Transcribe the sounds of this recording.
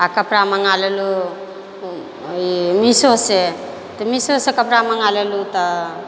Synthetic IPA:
akapɾamaŋalelu | misose | t̪ɔmisosekapɾamaŋalelut̪a

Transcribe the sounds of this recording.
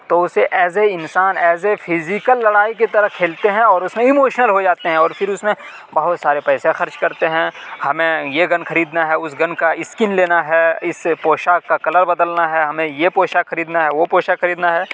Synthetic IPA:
t̪oʊseʔɛːs̬eɪnsaːnɛːsefʰɪzikəlːɐɽaːik̬et̪ɐɾəɦkʰeːlt̪eɦɛ̃ɔːɾʊsmẽɪmoːʃnəlɦod͡ʒaːt̪eɦɛ̃ɔːɾfʰɪɾʊsmẽ | bɐɦʊt̪saːɾepɛːsẽxɐɾt͡ʃkɐɾt̪eɦɛ̃hɐmẽjeɡɐ̃nxʰɐɾiːd̪naɦɛʊsɡɐ̃nkaɪskɪnleːnaɦɛːɪspoːʃakakɐləɾbɐd̪əlnaɦɛɦɐmẽjepoːʃaxʰɐɾiːd̪naɦɛʋopoːʃaxɐɾiːd̪naɦɛː

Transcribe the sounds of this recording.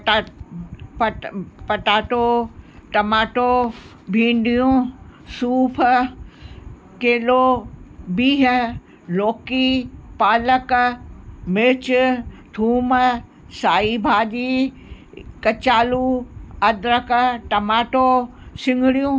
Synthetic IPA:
ppɐʈaːʈoːʈɐmaːʈo | bʱĩːɳɖijũsuːpʰ | keːloːbiːɦ | loːkipaːlək | mɪt͡ɕt̪ʰuːmə | saːibʱaːdiː | kɐt͡ɕaːluːɐd̪ɾəkʈɐmaːʈoː | sɪ̃ŋɡʱɽijũː

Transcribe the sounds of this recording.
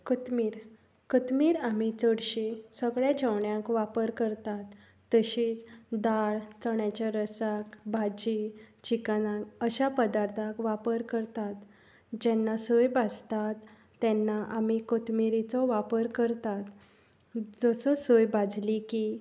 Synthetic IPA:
kət̪miːɾ | kət̪miːɾamit͡səɽɕisəɡɭjad͡ʑəʋɳjãkʋapəɾkəɾt̪at̪ː | əɕiːt͡sd̪aɭt͡səɳjat͡ɕaɾəsakbʱad͡ʑit͡ɕikanãkəɕapəd̪aɾt̪ʰakʋapəɾkəɾt̪at̪ | d͡ʑɛnːasojbad͡zt̪at̪ː | ɛnːaʔamikət̪miɾit͡sɔʋapəɾkəɾt̪at̪ | d͡zɔsɔsojbad͡zʱliki

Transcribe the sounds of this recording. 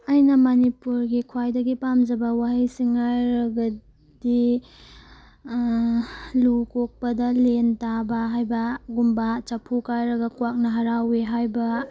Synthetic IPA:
ajnɐmanipuɾɡikʰwajdɐɡipamd͡ʒɐbɐwaɦɐjsiŋajɾɐɡɐ | di | lukok̚pɐdɐlentabɐɦajbɐɡumbat͡ʃɐpʰukajɾɐɡɐkwak̚nɐɦɐɾaweɦajbɐ

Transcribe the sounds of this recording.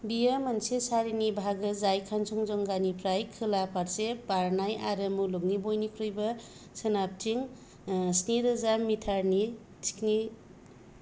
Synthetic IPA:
bijamansesaɾinibʱaɡɯzajkʰansɔŋzɔŋɡanipʰɾajkʰɯlapʰaɾsepaɾnaja̰ɾɯmuluɡ̚nibojnikʰɾujbɐ | sɯnap̚tʰiŋ | sniɾɯzamitʰaɾni | tʰi̥kni

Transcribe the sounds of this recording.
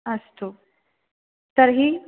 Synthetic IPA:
əst̪o | t̪əɾɦiː

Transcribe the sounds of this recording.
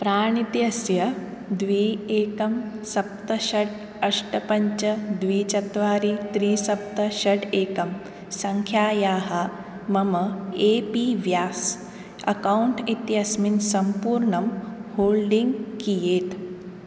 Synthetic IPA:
pɾaːɳ̃it̪jɐsjɐ | d̪ʋiːeːkɐmsɐp̚t̪ɐʃɐɖ | ɐʂʈɐpɐɲt͡ʃɐd̪ʋiːt͡ʃɐt̪ʋaːɾiːt̪ɾiːsɐp̚t̪ɐʃɐɖeːkɐm | sɐŋkʰjaːjaːɦɐ | mɐmɐeːpiːʋjaːs | ɐ̰kawɳʈit̪jɐsminsɐmpuːɾɳɐmhoːɭɖiŋɡkijeːt̪

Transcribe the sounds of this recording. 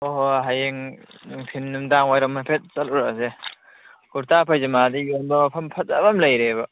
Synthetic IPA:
oɦoɦajeŋpʰinːumdaŋojɾɐmɐpʰet̚sɐluɾase | ɡuɾtapʰajzɐmadijonbɐmɐpʰɐmpʰɐt̚a̰bɐmlɐjɾebɐ

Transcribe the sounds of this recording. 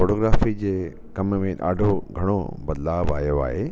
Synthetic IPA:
foːʈoːɡɾaːfid͡ʑeː | kɐmmẽɗa̰ːɖʱoɡʱɐɽ̃o̰bɐd̪laːba̰ːɦjoa̰ːɦe

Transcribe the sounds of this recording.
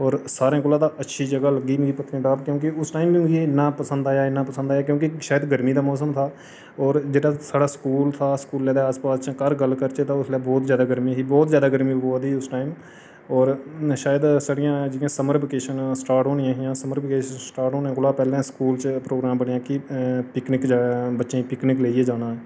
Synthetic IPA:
ɔːɾsaːɾẽːkʊlaːd̪aːʔətːʃʰiːd͡ʒəɡaːləɡiːmːipət̪ʰə̃ːɖaːbkjõːkɪʊsʈaːimbid͡ʒiɪnːãːpəsə̃nd̪aːjaːɪnːãːpəsə̃nd̪aːjaːk̬jõːkiʃaːjəd̪ɡəɾmiːd̪aːmɔːsəmt̪ʰaː | ɔːɾd͡ʒeːɽaːsaːɽaːskuːlt̪ʰaːskuːlːɛːd̪eːaːspaːst͡ʃkəɾɡəlkəɾt͡ʃet̪ãʊslaːbɔːt̪zjaːd̪aːɡəɾmiːsiːbɔːt̪zjaːd̪aːɡəɾmiːboːd̪iːʊsʈaːim | ɔːɾʃaːjəd̪saːɽɪjãːd͡ʒɪjãːsəməɾbɪkeːʃənsʈaːɾʈoːnɪjãːɦɪjãːsəməɾbɪkeːʃənsʈaːɾʈoːnãːɡʊlaːpɛːlẽːskuːlt͡ʃpɾoːɡɾaːmbəɳɪjãːkɪpɪknɪkd͡ʒaːbətːʃẽpɪknɪkleːieːd͡ʒaːnaːɛː

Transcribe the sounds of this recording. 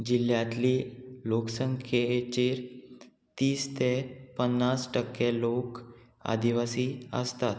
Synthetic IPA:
d͡ʑiljãt̪liːloksəŋkʰet͡ɕeɾ | t̪iːst̪epənːasʈəkːelok | a̰d̪iʋasiːə̰st̪at̪

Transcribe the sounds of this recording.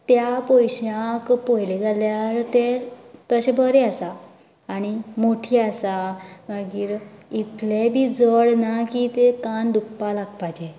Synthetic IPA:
t̪japojɕjãkpojled͡zaljaɾt̪et̪əɕebəɾeasaː | ɽ̃imoʈʰiːasaməɡiːɾit̪lebʱiːd͡zəɭnakit̪ekand̪upːalaɡpad͡ʑe

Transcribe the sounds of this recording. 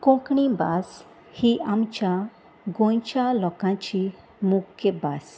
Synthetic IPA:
kɔ̃kɳĩbas | hiʔamt͡ɕja | ɡõjt͡ɕalɔkãt͡ɕi | mukʰːəbas

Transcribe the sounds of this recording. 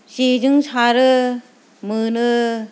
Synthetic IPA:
sid͡ʒɯŋsʰaɾɯ | mɯnɯ

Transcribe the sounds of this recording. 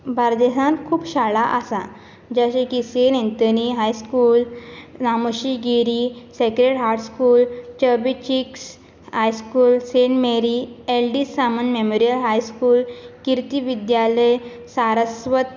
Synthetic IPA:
bʱaɾd̪esãnkʰuːpɕaɭaʔasa̰ | d͡ʑaɕekisenẽnt̪əniɦajskuːlnaməɕiɡiɾisekɾeɽɦaʈskuːlt͡ɕəbit͡ɕiks | hajskuːlseɳʈmeɾielɖisamənmemoɾijəlɦajskuːlkiɾt̪iʋid̪jaləj | saɾəsʋət̪̚

